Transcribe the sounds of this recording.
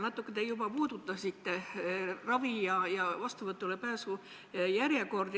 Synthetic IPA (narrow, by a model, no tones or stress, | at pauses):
nɑt̪ːˑukːet̪ejubɑpuːd̪ut̪ːˑɑsit̪ːerɑvijɑjɑvɑst̪uvɤt̪ːˑulepæːsu | jæɾje̞ko̞rd̪